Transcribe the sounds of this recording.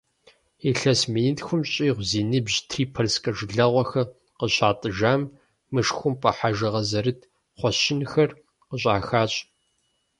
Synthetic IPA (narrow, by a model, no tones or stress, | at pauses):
iɬɐsminitxʷʊmɕʼiːʁʷziːnɨbʑtʰriːpʰɐrskʼɐʐɮɐʁʷɔxɐ | qəɕaːtʼɨʒaːmː | ɨʂxʷʊmpʼɐħaʒɨʁɐzɐɾɨd | χʷɔɕɪnxɐr | qəɕʷʼaːxaːɕʼ